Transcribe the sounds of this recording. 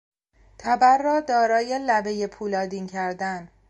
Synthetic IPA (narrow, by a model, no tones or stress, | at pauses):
t̪ʰæbæɾːɒːd̪ɒːɾɒːje̞læbe̞je̞pʰuːlɒːd̪iːncʰæɾd̪æn